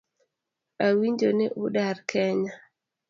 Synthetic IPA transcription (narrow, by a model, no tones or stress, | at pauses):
ʔawiɲd͡ʒonɛʔuɗaɾkʰɛɲa